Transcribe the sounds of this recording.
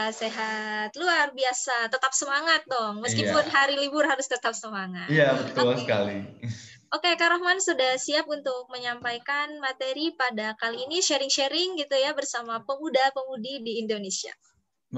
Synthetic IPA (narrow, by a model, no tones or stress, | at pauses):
seɦat̪luarbiasat̪ət̪ap̚səmaŋat̪̚d̪ɔŋməskkipʊnɦaɾilibʊrɦaɾʊst̪ət̪ap̚səmaŋat̪ijabət̪səka̰li | okekaɾohmansudahsiap̚unt̪ʊk̚məɲampajkanmat̪eɾipadakaliːniʃeɾɪŋʃeɾɪŋɡit̪ujabərsamapəmudapəmudidiːndonesia̰